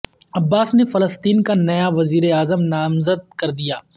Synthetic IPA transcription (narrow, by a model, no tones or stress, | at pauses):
ɐbːaːsnefɐləst̪iːnkanɐjaʋɐziːɾeaːzəmnaːmzəd̪̚kɐɾd̪ijaː